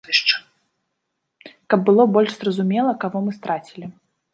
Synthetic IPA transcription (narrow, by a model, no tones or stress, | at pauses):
ɨʂt͡ʂ | kɐb̚ːɨlˠɔbɔlʲʂzrɐzumʲɛlˠɐkavɔmɨst̪ɾat͡sʲilʲi